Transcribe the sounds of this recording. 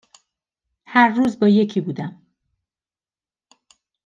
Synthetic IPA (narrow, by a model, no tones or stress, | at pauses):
hæɾːuːzbɒːje̞cʰiːbuːd̪æm